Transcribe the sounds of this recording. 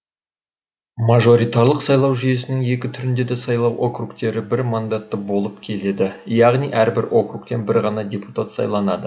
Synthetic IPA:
mɑʒo̞ɾijt̪ɑɾlˠəqsɑjlˠɑwʒyje̞sɪnɪŋe̞kʲɪt̪ʰʏɾɪnd̪e̞d̪esɑjlˠɑwʔo̞krukt̪e̞ɾɪbɪɾmɑnd̪ɑt̪ːəbo̞lˠəp̚kʲʰe̞le̞d̪ɪjɑʁnijʔæɾbɪɾo̞kruk̚t̪e̞nbɪɾʁɑnɑd̪ʲe̞pu̥t̪at̪sɑ̰jlˠɑnɑd̪ə

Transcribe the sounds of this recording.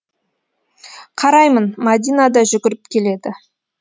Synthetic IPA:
qʰɑɾɑjmənmɑd̪ʲijnɑd̪ɑʒʏɡʲɪɾɪpkʲʰe̞le̞d̪ɪ

